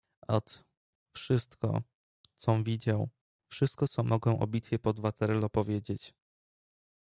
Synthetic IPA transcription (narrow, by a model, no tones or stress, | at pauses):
ɔt̪ | fʂɘst̪kɔ̰ | t̪sɔ̃vʲid͡ʑaw | fʂɘst̪̚kɔt̪sɔmɔɡɛ̃w̃ʔɔ̰bʲit̪fʲjɛpɔd̪vat̪ɛɾɛlɔpɔvʲjed͡ʑet͡ɕ